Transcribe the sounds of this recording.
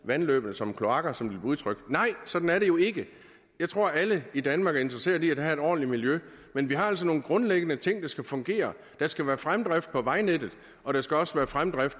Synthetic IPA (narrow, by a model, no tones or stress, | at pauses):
ʋænlø̰ːb̥ənəsɒ̽mkʰlo̝ɑ̈ɡ̥ɐsɒ̽mb̥leb̥uðˠt͡sʰʁœɡ̥̚d̥nɑ̈ɪ̰sɒ̽d̥n̩æɐɾe̝jo̝e̝ɡ̥ə | jɑ̈ɪt͡sʰʁo̝ɐ̰æləid̥ænmɑ̈ːɡ̥æɐe̝nd̥ʁɐse̝̰ːɐiæd̥ɦæe̝d̥ɒ̰ːnlimiljø | menʋiɦɑ̈æl̰s̬ɒno̝ːn̩ɡ̥ʁɔ̽nleɡ̥ənət͡sʰe̝ŋ̰d̥ɑ̈sɡ̥æfɔ̽ŋɡ̥e̝̰ːɐ | d̥ɑ̈sɡ̥æʋæːɐfʁamd̥ʁafd̥̚pʰɒ̽ʋɑ̈ɪned̥ð̩ˠ | ɒ̽ɾ̥ɑsɡ̥æɒ̽səʋæːɐfʁamd̥ʁafd̥̚